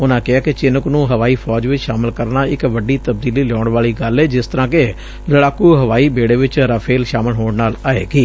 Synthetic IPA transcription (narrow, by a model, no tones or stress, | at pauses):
ʊnãːkɪaːkɪt͡ʃɪnəknũːɦəʋaːiːpʰɔːd͡ʒʋɪt͡ʃʃaːmɪlkəɾnaːɪkʋəɖiːt̪əbd̪iːliːlɔːɳʋaːɭiːɡəlɛːd͡ʒɪst̪əɾãːke | ləɽaːkuːɦəʋaːiːbeːɽeːʋɪt͡ʃɾəpʰeːlʃaːməlɦoːɳnaːlaːḛːɡiː